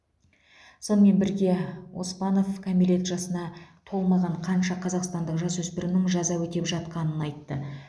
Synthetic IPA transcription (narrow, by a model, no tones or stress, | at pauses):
so̞nəme̞nbɪɾɡʲe̞wo̞̰spɑno̞fkʰomilʲe̞t̪ʒɑsənɑt̪ʰo̞lˠmɑʁɑɴqʰɑnʃɑqʰɑzɑqst̪ɑnd̪əqʒɑsɵspɪɾɪnɪŋʒɑzɑwɵt̪e̞pʒɑt̪qɑnənɑjt̪ːə